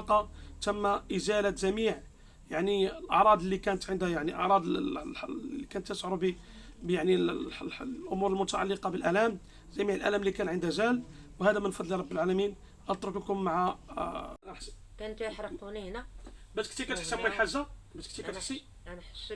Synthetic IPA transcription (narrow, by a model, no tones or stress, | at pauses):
qɑt̪əmːaʔəzælat̪zæmiʕ | jaʕniəlʔɑ̰ʕɾˤɑd̪əlːikænət̪ʕənd̪jaʕniʔɑ̰ʕɾˤɑd̪ | ikænət̪ːæsʕɾubi | bjaʕnilː | ʔʊmuɾəlmʊt̪aʕa̰lːəqɑbəlʔælæm | zæmiʕəlʔæ̰læmlːikænʕənd̪æzæl | whæd̪æmənfɑd̪ˤliɾˤɑbːəlʕalæmin | ɑt̪ˤɾokkʊmːaʕa | kænt̪wħɾˤɑqunihnæbæt̪kt̪ikæt̪əħt̪əbəlħazːabæt̪k̚t̪ikæt̪əħsi | n